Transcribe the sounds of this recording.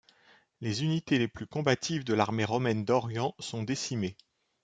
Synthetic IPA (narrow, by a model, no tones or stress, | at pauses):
lezynit̪eleplykɔ̃bat̪ʰivd̪əlaʁmeʁɔmɛnd̪ɔʁjɑ̃sɔ̃d̪esime